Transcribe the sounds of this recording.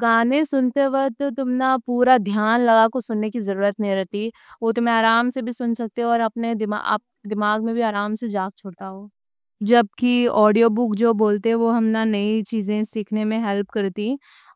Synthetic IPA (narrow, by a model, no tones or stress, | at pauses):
ɡaːnẽsʊnt̪eʋɐɦt̪ot̪ʊmnapuːɾad̪ʱjaːnlɐɡakosʊnːekizɐɾuːɾət̪nɐɦĩɾɛɦt̪i | ʋot̪ʊm̤ẽaːɾaːmsebʱisʊnsɐk̚t̪eɦɔːɾɐpned̪ɪma̰ɐ̰p̚d̪ɪmaːɡmẽbʱiaːɾaːmsed͡ʒaːɡ̚t͡ʃʰoːɽt̪aɦoː | d͡ʒɐb̚kiɔːɖijobʊkd͡ʒoːboːlt̪eɦɛ̃ʋoɦɐmnanɐit͡ʃiːzẽsiːkʰnemẽɦɛlpkɐɾt̪i